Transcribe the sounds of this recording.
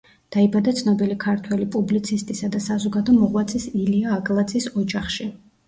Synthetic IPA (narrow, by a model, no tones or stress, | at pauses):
d̪̥aibad̪at̪sʰnɔbilikʰaɾt̪ʰwɛlipʼublit̪sʰist̪ʼisad̪asazɔɡad̪ɔmɔʁwat̪sʼisiliaːɡʼlˠat̪zʼisɔd͡ʒaχʃi